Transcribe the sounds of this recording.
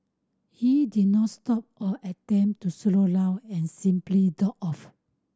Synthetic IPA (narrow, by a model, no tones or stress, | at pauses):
hidid̚nɔtstɔp̚ɔʔɛt̚ɛ̃mp̚tuslolawɛ̃nsĩmplidɔkɔf